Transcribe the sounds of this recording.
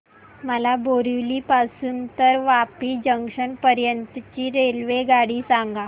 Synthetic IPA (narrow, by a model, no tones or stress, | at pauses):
məlaboɾiliːpasuːnt̪əɾʋapiːd͡ʑəŋkʂəɳpəɾjənt̪t͡ɕiːɾelʋeɡaɽiːsãŋɡa